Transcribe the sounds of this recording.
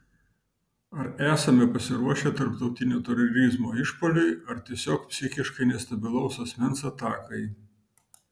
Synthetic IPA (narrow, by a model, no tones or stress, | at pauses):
ɐɾæːsɐmʲɛpɐsʲɪɾuɔʃʲɛt̪ɐɾpt̪ɒʊt̪ʲɪnʲuːt̪ʲɛɾɔɾʲɪzmoːɪʃpoːlʲʊɪɐɾt̪ʲiɛsʲoːkpʲsʲɪxʲɪʃkɐɪnʲɛst̪ɐbʲɪlˠɒʊsɐsʲmʲɛnsɐt̪ɑːkɐɪ